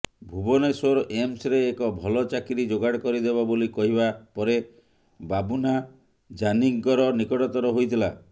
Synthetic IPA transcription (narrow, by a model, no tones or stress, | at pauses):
bʱubɔnesɔɾɔʔemsɾeːkɔbʱɔlɔt͡ʃakiɾid͡ʒoɡaɽkɔɾid̪eβabolikɔɦibapɔɾe | babuna | d͡ʒaniŋkɔɾɔnikɔʈɔt̪ɔɾɔɦojt̪ʰila